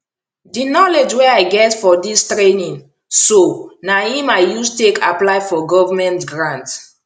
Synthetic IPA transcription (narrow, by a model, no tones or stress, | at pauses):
dinɔled͡ʒwɛaɪɡɛtfɔdistɹenĩn | sonahĩmaɪjustekʰaplaɪfɔɡɔvamɛ̃ntɡɹãnt